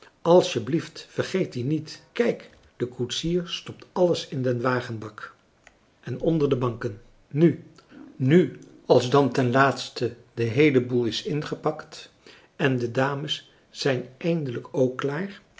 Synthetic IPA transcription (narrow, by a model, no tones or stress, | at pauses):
ɑlˠsjəbliftfərχejtdinitkɛjk | d̥əkutsiːɹstɔp̚tɑləsɪndɛnʋaːχənbɑk | ʔɛnɔndəɹdəbɑŋkənː | y | ny | ɑlˠzdɑntɛnlaːtstə | dəɦejləbulˠɪsɪnχəpɑkt | ɛndədaːməsː | ɛjnʔɛjndələkowkːlaːɹ